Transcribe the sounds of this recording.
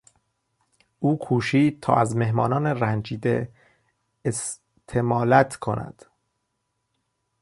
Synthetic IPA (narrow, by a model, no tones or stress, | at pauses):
ʔuːkʰuːʃiːd̪̚t̪ʰɒ̰ːʔæzme̞ɦmɒːnɒːneɾænd͡ʒiːd̪ḛː | s | t̪ʰemɒːlæt̪ʰkʰo̞̰næ̰d̪̥